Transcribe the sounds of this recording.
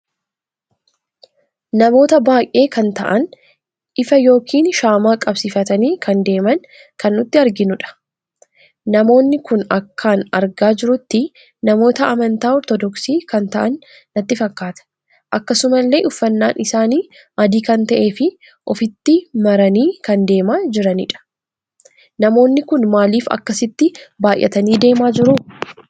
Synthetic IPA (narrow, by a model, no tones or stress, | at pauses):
nɐmo̞ːt̪ɐbaːjʔe̞ːkɐnt̪ɐ̰ʔɐn | ʔɪfɐjo̞ːkʰiːnʃaːmaːkʼɐbsiːfɐt̪ɐniːkʰɐnd̪e̞ːmɐn | kɐnːʊt̪ːɪɐɾɡɪnʊᶑɐ̥ | nɐmo̞ːnːɪkʊnɐkʰːaːnɐɾɡaːd͡ʒɪɾʊt̪ːɪ | nɐmo̞ːt̪ɐʔɐmɐnt̪aːɔɾt̪ɔd̪ɔksiːkɐnt̪ɐʔɐnː | ɐt̪ːɪfɐkːaːt̪ɐ̥ | ʔɐkːɐsʊmɐlːe̞ːʔʊfːɐnːaːnʔɪsaːniː | ʔɐd̪iːkɐnt̪ɐʔe̞ːfɪ | ʔɔfɪt̪ːɪmɐɾɐniːkɐnd̪e̞ːmaːd͡ʒɪɾɐnɪ̰ᶑɐ̥ | nɐmo̞ːnːɪkʊnmaːliːfɐ̰kːɐsɪt̪ːɪbaːjʔːɐ̰t̪ɐniːd̪e̞ːmaːd͡ʒɪɾʊ